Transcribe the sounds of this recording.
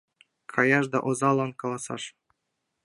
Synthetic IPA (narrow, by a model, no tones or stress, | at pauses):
kʰɑjɑʃd̪ɑʔozɑlˠɑnkɑlˠɑsɑ̰ʃ